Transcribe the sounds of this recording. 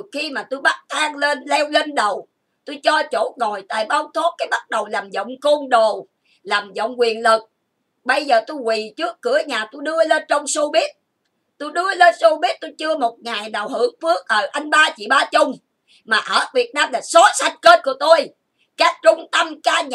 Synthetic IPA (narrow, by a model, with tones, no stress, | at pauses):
xi˧maː˨˩t̪o˧jɓa˦˥t̚t̪ʰaː˧ŋle˧nlɛ˧wle˧nɗə˨˩w | t̪o˧jt͡ɕɔ˧t͡ɕo˧˨˦ŋo˨˩jt̪a̰ː˧˨˩jɓa˧wŋ͡mt̪ʰo˦˥t̚kaː˨˦jɓa˦˥t̚ɗə˨˩wlaː˨˩mzə̰˧˨wŋ͡mko˧nɗo˨˩ | laː˨˩mzə̰˧˨wŋ͡mkwi˨˩ənlɨ˨˩k̚ | ɓə˧jzəː˨˩t̪o˧jkwi˨˩t͡ɕɨ˦˥əkːɨ˨˧˩əɲaː˨˩t̪o˧jɗɨ˧əle˧nt͡ɕɔ˧wŋ͡mso˧ɓi˦˥ət̚ | t̪o˧jɗɨ˧əle˧nso˧ɓi˦˥ət̚t̪o˧jt͡ɕɨ˧əmo˨˩t̚ŋaː˨˩jɗaː˨˩whɨ̰˨˧˩əŋfɨ˦˥ək̚ʔəː˨˩ʔa˧jŋɓaː˧t͡ɕḭ˧˨ɓaː˧t͡ɕʊ˧ŋ͡m | maː˨˩ʔəː˧˨˩vi˨˩ət̚naː˧mlaː˨˩sɔ˨˦sa˧jŋ̟ke˦˥t̚ku˧˩˦ət̪o˧j | kaː˦˥k̚t͡ɕʊ˧ŋ͡mt̪ə˧mkaː˧ɲ